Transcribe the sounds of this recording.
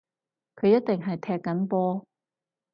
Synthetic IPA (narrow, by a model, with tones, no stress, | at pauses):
kʰɵ˨˧ɥjɐ˥t̚t̪ɪ˨ŋɦɐ˨jt̪ʰɛː˧kːɐ˨˥npɔː˥